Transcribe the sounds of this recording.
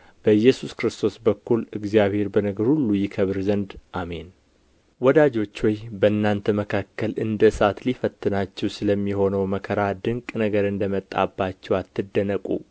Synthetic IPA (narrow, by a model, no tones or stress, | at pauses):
b̥əjːɛsuskɾɨst̪ʰo̞sbəkːulɨɡzijaβhe̞ɾbənəɡəɾhulːujikʰəβɨɾzənd̪ʔame̞n | wɔd̪ad͡ʒo̞t͡ʃːwɔjbəɨnːant̪ʰəməkʰakːəlɨnd̪əsat̪lifət̪ʰːɨnat͡ʃːɛwsɨləmːiho̞nəwməkʰəɾad̪ɨŋkʼnəɡəɾɨnd̪əmət̪ʼːa̰bːat͡ʃːɛwat̪ːɨd̪ːənəkʼṵ